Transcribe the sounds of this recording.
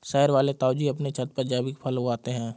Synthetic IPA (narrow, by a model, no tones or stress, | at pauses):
sɛːəɾʋaːlet̪aːʊd͡ʒiɐpnet͡ʃʰət̪̚pəɾd͡ʒaːbikpʰəlɦuaːt̪eɦɛ̃ː